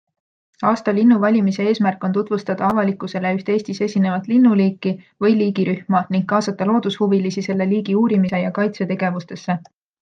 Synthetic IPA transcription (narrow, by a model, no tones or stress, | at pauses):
ɑːst̪ɑlinːuvɑlʲimise̞eːsmærkːˑo̞nt̪ut̪vust̪ɑd̪̥ɑɑvɑlikːˑuse̞le̞yht̪e̞ːst̪isesʲine̞vɑt̪ˑlinːuliːkːi | vɤjliːɡiɾʔyhmɑniŋɡ̥kɑːsɑt̪ːˑɑlo̞ːd̪̥ushuvilisise̞lːe̞liːɡ̥iuːɾimise̞jɑkɑjt̪se̞t̪e̞ɡ̥e̞vust̪e̞sːe̞